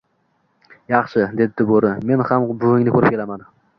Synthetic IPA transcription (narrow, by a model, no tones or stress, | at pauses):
jɑχʃɪd̪e̞d̪ɪɪboɾɪme̞nhambʊɡɪŋnɪkʰɵɾɪp̚kʲʰe̞laman